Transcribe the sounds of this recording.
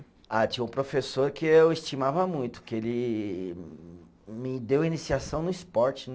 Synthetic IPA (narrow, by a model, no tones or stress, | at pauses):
at͡ʃĩɲɐ̃ũpɾofesoɾkɪewɪst͡ʃimavɐmũj̃t̪ʊ̥kɪelɪ | mɪd̪ewɐinisiasɐ̃w̃nʊispɔɾt͡ʃɪ